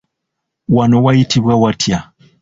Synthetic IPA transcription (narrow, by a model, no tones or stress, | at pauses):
wanowajitʰiβwawatʰja